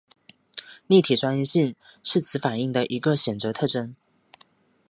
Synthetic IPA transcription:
li˥˩t̪ʰi˨˩ʈ͡ʂwa˥ny˥˧ɕi˥˧ŋʂɻ̩˥˩t͡sʰɹ̩˨˧˥fa˨˩ni˥˩ŋd̪ə˨ʔi˧˥ɡə˧ɕjɛ˨˩nt͡sɤ˨˥t̪ʰɤ˥˩ʈ͡ʂə˥n

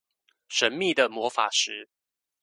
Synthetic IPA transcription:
ʂə˧˦nmi˥˨d̪ə˨˩mwɔ˧˥fa̰˨˩ʂɻ̩˨˦

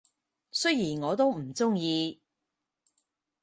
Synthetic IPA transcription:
sɵ˥ɥjiː˨˩nŋɔː˨˧t̪o˥wm̩˨˩t͡sʊ˥ŋjiː˧

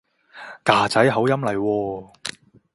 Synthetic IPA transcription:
kaː˨t͡sɐ˨˥jɦɐ˨˥wjɐ˥mlɐ˨˩jwɔː˧

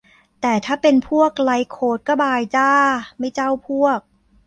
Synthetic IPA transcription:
t̪ɛː˨˩t̪ʰaː˥˩pe˧npʰu˥˩ək̚la˧jkʰoː˨˩t̪̚ka˥˩baː˧˩jt͡ɕaː˥˩ma˥˩jt͡ɕa˥˩wpʰu˥˩ək̚

